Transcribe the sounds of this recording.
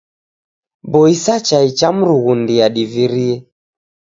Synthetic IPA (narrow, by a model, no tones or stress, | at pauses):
bɔisat͡ʃait͡ʃam̩ɾuɣundiaɗiviɾiɛ